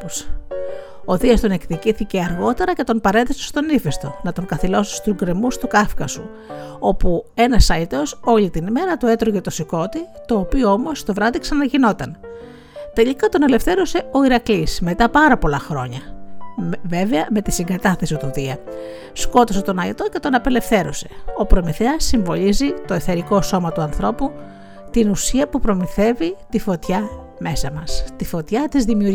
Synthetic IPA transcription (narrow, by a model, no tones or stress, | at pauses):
s | o̞ðiɐst̪o̞nekticiθice̞ɐɾɣo̞t̪e̞ɾɐce̞t̪o̞npɐɾe̞ðesest̪o̞nifest̪o̞nɐt̪o̞ŋkɐθilo̞si̥st̪uzɡɾe̞must̪ukɐfkɐsu | o̞pue̞nɐsɐit̪eoso̞ʎit̪inme̞ɾɐt̪ue̞t̪ɾoʝet̪osiko̞t̪i | t̪o̞ːpioo̞mo̞st̪o̞vɾɐðiksɐnɐʝino̞t̪ɐn | t̪e̞ʎikɐt̪o̞nele̞fθe̞ɾuse̞o̞iɾɐklisme̞t̪ɐpɐɾɐpo̞lɐxɾo̞̰ɲɐ | ve̞veɐme̞t̪isiŋɡɐt̪ɐθesit̪uðiɐ | sko̞t̪os̬et̪o̞nɐet̪o̞ce̞t̪o̞nɐpe̞le̞fθe̞ɾose̞̥o̞pɾo̞miθeɐsːiɱvo̞lizit̪o̞eθeɾiko̞so̞mɐt̪uɐnθɾo̞pu | t̪inusiɐpupɾomiθe̞vit̪ifo̞t̪çɐ | me̞sɐmɐst̪ifo̞t̪çɐt̪izðimiuɾ